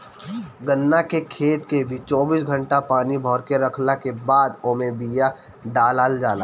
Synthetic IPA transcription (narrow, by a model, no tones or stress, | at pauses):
ɡənːakekʰeːt̪kebʱit͡ʃɔːbiːsɡʱə̃ɳʈapaːnibʱɔːɾkeɾəkʰlakebaːd̪oːmẽbija | ɖaːlaːld͡ʒaːla̰ː